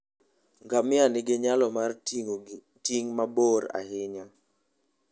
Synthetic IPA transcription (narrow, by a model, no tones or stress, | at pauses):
ŋɡamɪanɪɡɪɲalɔmar | tiŋmaboɾa̰hɪɲa